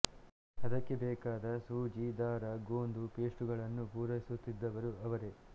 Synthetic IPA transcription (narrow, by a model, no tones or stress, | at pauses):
ɐd̪ɐkːe̞bɛːkaːd̪ɐsuːd͡ʒid̪aːɾɐɡoːnd̪upeːʂʈuɡɐɭɐnːupuːɾɐjisut̪ːid̪ːɐʋɐɾuɐʋɐɾe